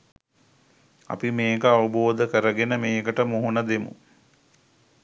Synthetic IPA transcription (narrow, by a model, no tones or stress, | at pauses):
ɐ̰pimeːkəaʋɐboːd̪əkəɾəɡenəmeːkəʈəmoɦunəd̪emṵ